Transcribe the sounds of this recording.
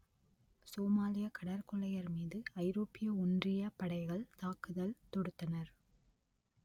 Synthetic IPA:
soːmaːlɪjɐkɐɽɐɾkɔɭɐjɐɾmiːðɯɐɪɾoːpːɪjɐʊndrɪjɐpɐɽɐɪɣɐɭt̪aːkɯðɐlt̪ɔɽɯt̪ːɐnɐɾ

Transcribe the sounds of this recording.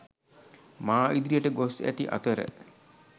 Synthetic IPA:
maːʔid̪ɾijəʈəɡosæ̰t̪iʔa̰t̪əɾə̰

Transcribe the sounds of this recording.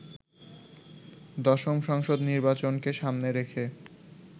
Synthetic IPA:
d̪ɔʃomʃɔŋʃod̪niɾbat͡ɕonkeʃamneɾekʰe

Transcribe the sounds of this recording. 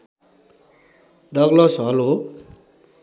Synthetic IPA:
ɖʌɡlʌsɦʌlo

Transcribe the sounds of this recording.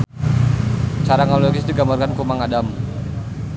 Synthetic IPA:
t͡ʃaɾaŋoloɡisdiɡambarkankumaŋadam

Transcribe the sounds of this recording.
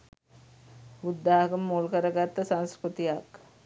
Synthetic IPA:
ud̪ːaɦkəmːuːlkəɾəɡat̪ːəsãnskɾut̪ijak

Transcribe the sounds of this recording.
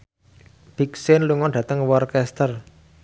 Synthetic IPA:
b̥iksɪnluŋɔɖ̥ä̤t̪əŋwɔrkɛst̪ər

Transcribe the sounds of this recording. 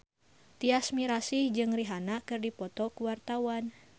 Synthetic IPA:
t̪iasmiɾasihd͡ʒɨŋriɦanakɨrdipɔt̪ɔkuwart̪awan

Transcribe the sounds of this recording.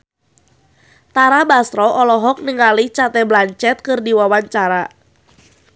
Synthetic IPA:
t̪aɾabast̪ɾɔʔɔlɔɦɔk̚niŋalit͡ʃat̪ɛblaɲt͡ʃɛt̪̚kɨrdiwawaɲt͡ʃaɾa

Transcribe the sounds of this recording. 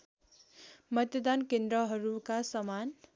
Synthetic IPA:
mʌt̪jʌd̪ankend̪ɾʌɦʌɾukasʌman

